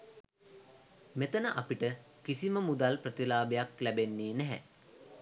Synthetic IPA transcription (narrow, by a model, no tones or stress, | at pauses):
met̪ənəʔapiʈə | kisiməmud̪alprət̪ilaːbejaklæbenːeːnæɦæ̰